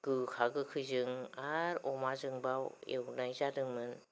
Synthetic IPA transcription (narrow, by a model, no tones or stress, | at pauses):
ɡ̥ɯkʰaɡɯkʰɯzɯŋaɾɔmazɯŋbawḛwnajzadɯŋmɯn